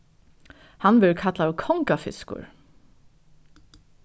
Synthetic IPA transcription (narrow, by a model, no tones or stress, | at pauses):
hɑnbɪɹkʰɑt̪lɑːʋkʰɔŋkafɪ̰skʊ̰ɹ